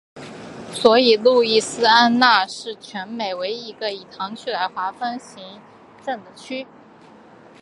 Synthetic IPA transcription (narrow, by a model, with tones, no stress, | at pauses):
swɔ˧˥i˨˩lu˥˧i˥˩sɹ̩˥a˥nna˥˧ʂɻ̩˥˩t͡ɕʰɥɛ˧˥nme˨˩ɪwe˧˥ɪi˧˥ɡə˧i˨˩t̪ʰɑ˧˥ŋt͡ɕʰy˥la˧˥ɪxwa˧˥fə˥nɕi˧˥ŋ | ʈ͡ʂə˥˩ŋd̪ə˩t͡ɕʰy˥